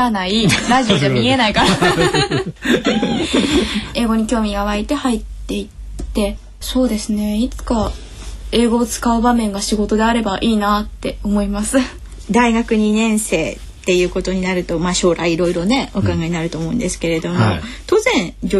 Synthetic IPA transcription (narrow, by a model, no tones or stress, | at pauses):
anaiɾaʑioamʲie̞naikaɾ | e̞ːɡo̞ɲ̟ikʲo̞ːmʲiɡaβait̪e̞hait̪ːe̞itt̪ːe̞ | so̞ːd̪e̞sɨne̞it͡sɨ̥ka | e̞ːɡo̞ːt͡sɨ̥kaɯ̟bamẽ̞ŋɡaɕiɡo̞t̪o̞d̪e̞aɾe̞baʔiːnat̪ːe̞omo̞imasɨ | d̪aiɡakɯ̟ɲ̟inẽ̞ɰ̃se̞ː | t̪ːe̞jɯ̟ːko̞t̪o̞ɲ̟inaɾɯ̟t̪o̞maːɕo̞ːɾaiːɾo̞iɾo̞ne̞okaɡaɲ̟inaɾɯ̟t̪o̞ːmoɯ̟̰̃nd̪e̞sɨ̥ke̞ɾe̞d̪o̞mo̰t̪o̞zẽ̞ɰd͡ʑo